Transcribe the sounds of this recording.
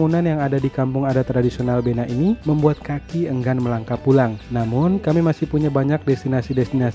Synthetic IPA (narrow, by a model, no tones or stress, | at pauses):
ŋunanjaŋadadikampʊŋadat̪ɾadisionalbenaʔiniməmbuat̪̚kakiəŋɡanməlaŋkapulaŋnamʊnkamimasɪhpuɲabaɲak̚dɛst̪inasidɛst̪ina